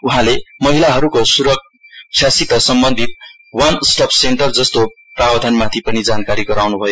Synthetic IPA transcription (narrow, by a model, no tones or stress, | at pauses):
uɦãlemʌɦilaɦʌɾukosuɾʌk̚ | t͡sʰjasit̪ʌsʌmbʌnd̪ʱit̪̚ | wansʈʌpʰseɳʈʌrd͡zʌst̪o | prabʌd̪ʱanmat̪ʰipʌnid͡zankaɾiɡʌɾawnubʱʌjo